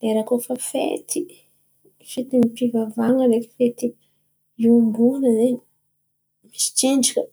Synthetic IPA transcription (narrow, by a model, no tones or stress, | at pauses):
leɾakofəfḛt̪ʰi | fit̪imipivavaŋəɾeki̥fet̪i | imbuŋnəzeɲi | misi̥t͡ʃiɳɖ͡ʐikʲə